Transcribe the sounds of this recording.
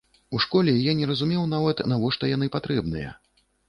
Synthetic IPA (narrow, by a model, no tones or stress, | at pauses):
uʂkɔlʲɛjajɛnʲɛɾɐzumʲɛwnavɐt̪navɔʂt̪ɔjanɨpat̪ɾɛbnɨjɐ̰